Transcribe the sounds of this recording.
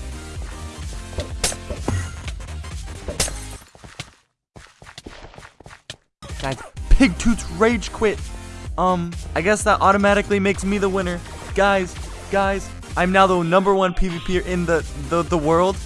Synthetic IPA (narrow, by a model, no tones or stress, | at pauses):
ɡ̥aɪz̥pʰɪɡ̚tʰʉtsɹeɪ̥d͡ʒ̥kʰw̥ɪt̚ʌ̃mʔaɪɡɛsðəɾʔɔɾɨmæɾɨklimeɪksmiðəwɪ̃ñə˞ | ɡ̥aɪz | ɡ̥aɪz | ʔãɪ̃mnaʊðoʊnʌ̃mbə˞wʌ̃npʰivipʰiɹʔɪ̃nðɨðəðəwɜ˞lˠd̥